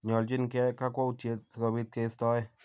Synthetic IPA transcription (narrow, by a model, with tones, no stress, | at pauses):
ɲɔ˨lt͡ʃi˦nkɛ˦ka˦kɔ˦u˨tje˨t̪̚skɔ˨bi˧t̪̚ke˨stɔ˦e˦